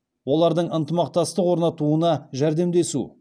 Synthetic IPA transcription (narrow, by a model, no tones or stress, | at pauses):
wo̞lˠɑɾd̪əɴənt̪əmɑq̚t̪ɑst̪əqwoɾnɑt̪uənɑʒæɾd̪e̞md̪e̞sṵ